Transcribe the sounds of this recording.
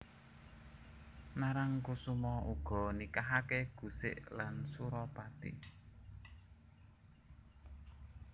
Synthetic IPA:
naɾaŋkusumɔʔuɡ̥ɔ̤nikaɦakeɡ̥ṳsɪ̰ʔlansuɾɔpat̪ḭʔ

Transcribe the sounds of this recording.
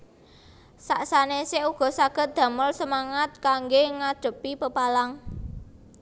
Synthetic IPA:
saʔsaneseʔuɡ̥ɔ̤saɡ̥ə̤t̪̚d̪̥ä̤məlsəmaŋat̪̚kaŋɡeŋad̪̥ə̤pipəpalaŋ

